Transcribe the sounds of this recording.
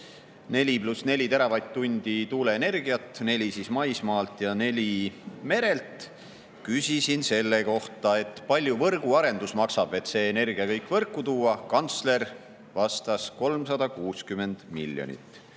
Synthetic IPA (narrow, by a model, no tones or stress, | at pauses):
ne̞lʲiplusne̞lʲit̪e̞ɾɑvɑjt̪ːunʲd̪̥it̪uːle̞ːne̞rɡiɑt̪ːˑne̞lʲisismɑjsmɑːlt̪jɑne̞lʲime̞ɾe̞lt̪ | kysʲisinse̞lːe̞ko̞ht̪ɑe̞t̪pɑlʲjuvɤrɡ̥uɑɾe̞nd̪usmɑksɑb̥e̞t̪se̞ːne̞rɡ̥iɑkɤjkːˑvɤrkːˑut̪uːɑkɑnt̪sle̞r | vɑst̪ɑsko̞lmsɑd̪̥ɑkuːskyme̞nd̪̥milʲːjo̰nʲḭt̪ːˑ